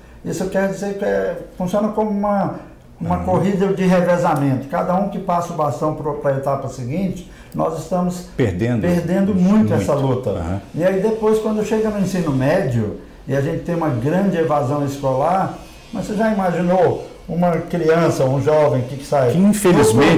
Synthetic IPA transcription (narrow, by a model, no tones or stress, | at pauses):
isʊewkɛɾʊd͡ʒizeɾkɪɛfũsiõnɐkõmʊũmɐ | ũmɐkoɦid̪ɐd͡ʒɪɦevezamẽnt̪ʊ̥kad̪ɐũkɪpasɐʊbast̪ɐ̃w̃pɾʊpɾɐet̪apɐsɪɡĩt͡ʃɪ̥ | nɔ̰zɪst̪ɐ̃mʊspḛɾd̪ẽnd̪peɾd̪ẽnd̪ʊmũj̃t̪ʊɛsɐlut̪ɐɐ̰hɪaid̪epojskwɐ̃nd̪ʊʃeɡɐnʊẽsĩnʊmɛd͡ʒɪʊ | ɪaʒẽt͡ʃɪt̪ẽj̃ũmɐɡɾɐ̃d͡ʒɪevazɐ̃w̃ɪskolaɾ | mɐseʒaimaʒino | ũmɐkɾiɐ̃sɐoũʒɔvẽj̃kɪkɪ̥sajɪĩfelizmẽ